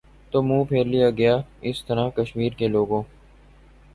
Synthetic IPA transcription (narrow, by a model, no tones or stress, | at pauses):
t̪oːmũːpʰeːɾlijaːɡɐjaːɪst̪əɾaːkəʃmiːɾkeloːɡõː